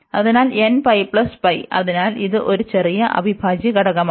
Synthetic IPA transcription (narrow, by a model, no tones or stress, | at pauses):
ɐðinaːlenpɐjpɭɐspɐjɐ̰ðinaːliðɨʔo̞ɾut͡ɕe̞rijɐʔɐ̰bʱibʱaːd͡ʑjɐkɐɽɐɣɐm